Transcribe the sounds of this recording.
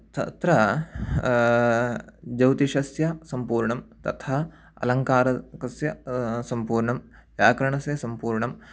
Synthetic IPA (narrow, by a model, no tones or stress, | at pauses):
t̪ɐ̰t̪ɾɐ | d͡ʒɐwt̪iʃɐsjɐsɐmpuːɾɳɐmt̪ɐ̰t̪ʰɐ | ɐ̰lɐŋkaːɾɐkɐsjɐsɐmpuːɾɳɐm | jaːkɾɐɳɐsjɐsɐmpuːɾɳɐm